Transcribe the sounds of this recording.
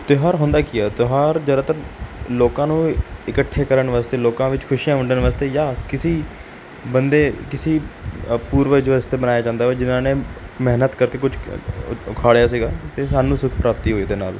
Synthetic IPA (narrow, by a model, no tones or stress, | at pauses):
t̪eɦaːɾɦʊ̃nd̪aːkiɛːt̪oɦaːɾd͡ʒəd̪aːt̪ənloːkãːnũːɪkəʈʰːeːkəɾəɳʋaːst̪eːloːkãːʋɪt͡ʃkʰʊʃijãːʋəɳɖənʋaːst̪eːjaːkɪsiː | bənd̪eːkɪsiːpuːɾʋəɪd͡ʒʋaːst̪eːbənaːjaːd͡ʒãːnd̪aːʋɛːd͡ʒɪnãːnẽːmɛɦnət̪kəɾkeːkʊd͡ʒ | ʊkʰaːɽjaːs̬iːɡaːt̪eːsaːnũːsʊkʰpɾaːp̚t̪iːɦoːiːd̪eːna̰ːl